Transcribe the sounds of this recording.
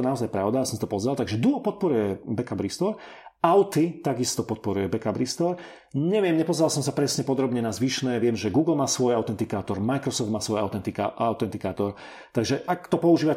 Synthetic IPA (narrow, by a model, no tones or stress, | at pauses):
naɔzajpɾaʊd̪aisɔmsat̪ɔpɔzɾalˠt̪aɡʒɛd̪uɔpɔt̪̚pɔɾujɛbɛkabɾist̪ɔɾ | aʊt̪it̪aɡist̪ɔpɔt̪̚pɔɾujɛbɛkabɾist̪ɔɾ | ɲɛʋɪɛmɲɛpɔzɾalsɔmsapɾɛsɲɛpɔd̪ɾɔbɲɛnazʋiːʃnɛːʋɪɛmʒɛɡuːɡl̩maːsʋɔjaʊt̪ɛnt̪ikaːt̪ɔɾmajkɾɔsɔft̪maːsʋɔjaʊt̪ɛnt̪ikaʔaʊt̪ɛnt̪ikaːt̪ɔɾ | t̪aɡʒɛʔakt̪ɔpɔuʒiːʋa